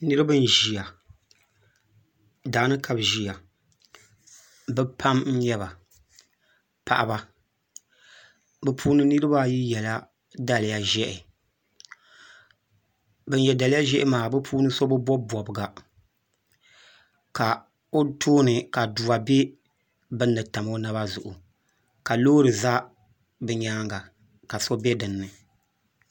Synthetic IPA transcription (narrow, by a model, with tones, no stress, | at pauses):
nɨ˦ɾɨ˦bɨ˦n̩˦ʒi˨ja˨ | daː˨˦nɨ˦ka˨bʒi˨a˨ | bɛ˦pʰa˦mn̩˦ɲɛ˦βa˨ | pʰa̰˨ʔa˨ba˦ | bɛ˦pʰuː˦nɨ˦nɨ˦ɾɨ˦ba˦ji˦jɛ˨la˦ | da˨lɪ˨ja˨ʒɛ˦ʔɪ˨ | bɛ˦n˦jɛ˨da˨lɪ˦ja˦ʒɛ˦ʔɪ˦maː˨bɨ˦pʰuː˦nɨ˦sɔ˦bɨ˦bɔ˦bɔ˨bɨ˨ɡa˨ | ka˨ | o˦tʰoː˦nɨ˨ka˨du˨a˨be˦ | bɨ˦nːɨ˨ta˨mo˦na˦ba˦zʊ˨ʔʊ˨ | ka˨loː˦ɾɨ˨za˦ | bɨ˨ɲaː˦ŋɡa˨ | ka˨sɔ˦bɛ˦dɨ˨nːɨ˨